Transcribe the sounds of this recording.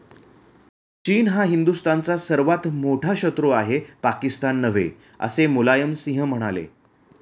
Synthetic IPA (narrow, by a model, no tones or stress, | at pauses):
t͡ɕiːnɦaɦind̪ust̪ant͡sasəɾʋat̪moʈʰaɕət̪ɾoaɦepakist̪anːəʋḛ | ə̰semolajəmsĩɦəm̤əɽ̃alḛ